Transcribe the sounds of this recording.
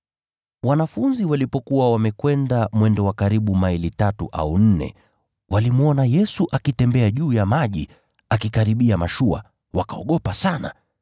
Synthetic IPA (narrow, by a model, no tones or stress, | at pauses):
wanafunziwalipɔkuwawamɛkwɛndamwɛndɔwakaɾiɓumailitatuʔa̰un̩nɛ̰ | wʔalimuɔnajɛsuʔakitɛmbɛaʄuːjamaʄi | akikaɾiɓiamaʃua̰ | wakaɔɠɔpasana̰